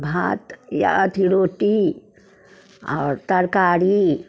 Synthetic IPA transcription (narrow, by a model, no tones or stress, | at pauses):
bʱa̰t̪ja̰t̪ʰiɽoːʈi | ɔ̰ːɾt̪ɐɾkaːɾi